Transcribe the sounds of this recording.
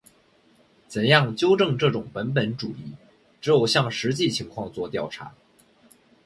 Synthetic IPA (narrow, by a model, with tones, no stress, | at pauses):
t͡sə˨˩njɑ˥˩ŋt͡ɕjo˥ʊʈ͡ʂɤ˥˧ŋʈ͡ʂɤ˥˩ʈ͡ʂʊ˨˩ŋpə˧˥np̬ə˧˥nʈ͡ʂu˨˩i˥˩ | ʈ͡ʂɻ̩˧˥jo˨˩ʊɕjɑ˥˩ŋʂɻ̩˧˥t͡ɕi˥˩t͡ɕʰi˧˥ŋkʰwɑ˥˧ŋt͡swɔ˥˧t̪jɑ˥˩ʊʈ͡ʂʰa̰˧˥